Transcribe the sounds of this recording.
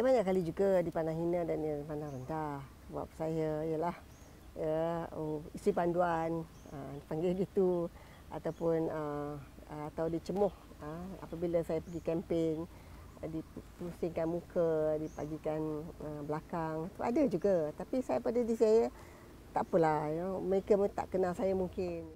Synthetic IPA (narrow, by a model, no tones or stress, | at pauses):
abaɲaʔkalid͡ʒuɡadipanaŋɦinədanəpanaŋrəndah | ba̰p̚sajəijəlah | jə | isipanduan | əipaŋɡɪɡit̪u | a̰t̪awpʊnə | at̪awdit͡ʃəmɔh | əa̰pəbiləsajapəɡikɛmpɪŋ | dipusɪŋkanmukədipa̰ɡikanəblakaŋt̪ua̰dəd͡ʒuɡat̪apisajapadadisajə | t̪a̰ʔpəlajəməɾekat̪a̰ʔkənalsajamuŋkɪn